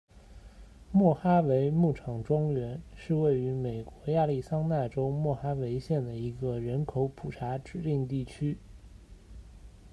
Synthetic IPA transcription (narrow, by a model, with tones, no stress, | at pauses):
mwɔ˥˩xa˥we˧˥ɪmu˥˩ʈ͡ʂʰɑ˨˩ŋʈ͡ʂwɑ˥ŋɥɛ˧˥nʂɻ̩˥˧we˥˩ɪy˧˥me˨˩ɪkwɔ˧˥ja˥˧li˥˩sɑ˥ŋna˥˩ʈ͡ʂo˥ʊmwɔ˥˩xa˥we˧˥ɪɕjɛ˥˩nd̪ə˩i˧˥ɡə˧ɻə˧˥nkʰo˧˥ʊpʰu˨˩ʈ͡ʂʰa˧˥ʈ͡ʂɻ̩˨˩li˥˧ŋt̪i˥˩t͡ɕʰy˥